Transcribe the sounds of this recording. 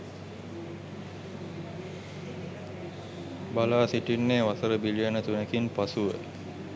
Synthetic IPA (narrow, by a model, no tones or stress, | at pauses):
balaːsiʈinːeːʋasəɾəbilijənət̪unekinpasuʋə̰